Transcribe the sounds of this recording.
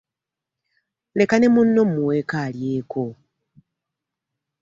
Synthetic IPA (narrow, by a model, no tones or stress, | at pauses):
lekane̞munːomuwekaːljeːkʰo